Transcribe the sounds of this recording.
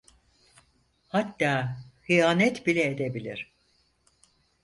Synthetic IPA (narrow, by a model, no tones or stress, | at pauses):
hat̪ːaːxijaːnɛt̪bilʲɛed̪ebilʲiɾ̥